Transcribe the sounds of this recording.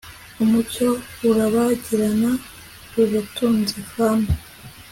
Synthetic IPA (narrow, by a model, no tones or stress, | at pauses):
umucouɾaβaɟiɾana | uβatuːnzifaːmbi